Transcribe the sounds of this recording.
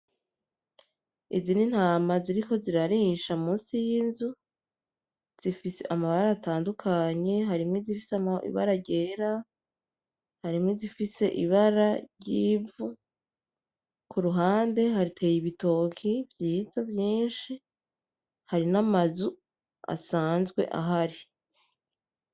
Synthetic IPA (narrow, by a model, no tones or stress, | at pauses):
izinin̥haːmaziɾiko̞ziɾaɾiːʃaumuːnsijinzu | z̥ifisḛʔamaβaɾaːtaːndukʰaɲe̞ɦaɾimŋwizifisaḭβa̰ɾaɾɟeːɾa | haɾimŋwizifise̞ʔiβaɾaɾɟiːvu | kuɾuɦaːnde̞ɦaɾitʰe̞ːjiβito̞ːkʰivjiːzavjiːnʃi | haɾinamazu | a̰saːnzɡwe̞̰ʔa̰ɦaɾi